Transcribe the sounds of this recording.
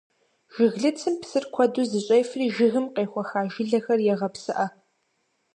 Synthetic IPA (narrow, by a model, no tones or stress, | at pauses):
ʒ̥ɪɣɮɨt͡sʰɨmpsɨrkʷʰɐduːzɨɕʼɐjfriːʒɪɣɨmqeːχʷɔxaːʒɪɮɐxɐrjɛʁɐpsɨʔɐ